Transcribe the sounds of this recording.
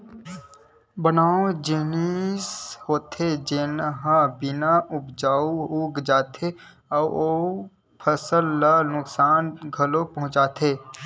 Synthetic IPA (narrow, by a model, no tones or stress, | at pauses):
bɐnaːõd͡ʒɪnishoːt̪ʰed͡ʒenɦãbɪnaʔʊpd͡ʒaːuuːɡd͡ʒaːt̪ʰe | ɔːoː | pʰəsəlːanʊksaːnɡʱɐlopɐɦʊ̃t͡ʃaːt̪ʰeː